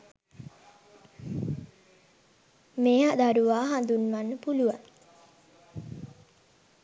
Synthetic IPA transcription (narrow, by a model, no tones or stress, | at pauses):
meːɦad̪aɾuʋaːɦand̪unʋanːəpuluʋaŋ